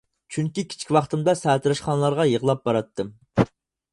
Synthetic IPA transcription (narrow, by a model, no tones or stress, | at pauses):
t͡ʃʰyŋkʲikʲʰi̥t͡ʃʰkʲwɑχt̪ɨmd̪ɑsɛːt̪ʰɾɛʃqɑnlˠɑɾʁɑjəʁlˠɑp̚bɑɾɑt̪ʰːɨm